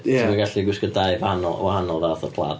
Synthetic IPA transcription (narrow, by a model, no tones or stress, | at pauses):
maɡaɬiɡwɪskədaɨvahanɔlˠwahanɔlˠðaθəpʰlˠa̰d